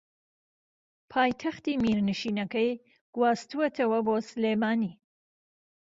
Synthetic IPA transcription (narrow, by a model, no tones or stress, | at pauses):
pʰaːjt̪ʰɐxt̪iːmiːɾnɨʃiːnɐkɐj | ɡ̥waːst̪uɐt̪ʰɐwɐboːsɨleːmaːniː